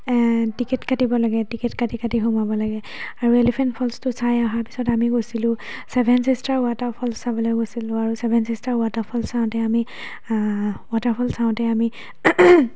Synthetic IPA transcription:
tikɛtkatibɔlaɡɛtikɛtkatikatiɦumabɔlaɡɛ | aɹuelɛpʰɛntpʰɔlstʊsajaɦaɹpi̥sɔtamiɡosilʊ̃ | sɛbʱɛnsistaɹwataɹpʰɔlsːabɔlɔɡosilʊ̃aɹusɛbʱɛnsistaɹwatapʰɔlsaʊ̃tɛami | wataɹpʰɔlssaʊ̃tɛami

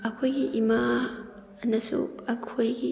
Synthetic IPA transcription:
ɐkʰojɡiʔima | nɐsṵɐkʰojɡi

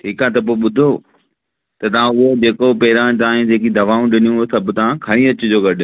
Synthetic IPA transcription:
ʈʰiːkaːt̪ɐp̬oːɓʊd̪ʱo | t̪ɐt̪ɐʋ̤ãʊɦod͡ʑeːkopeːɾãt̪aãːĩd͡ʑeːkid̪ʱɐʋaːũɗɪnijũsɐbʱt̪ɐʋãkʰɐɽ̃ĩɐt͡ɕʊd͡ʑoːɡɐɾɗɪ

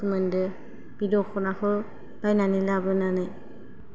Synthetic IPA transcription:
umɯndɯ | b̥idɔxʰɔnaxɔ | b̥ajnanilabɯnanaj

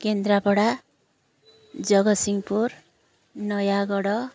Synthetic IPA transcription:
kend̪rapʌɽa | d͡zʌɡʌsiŋpur | nʌjaɡʌɽʌ

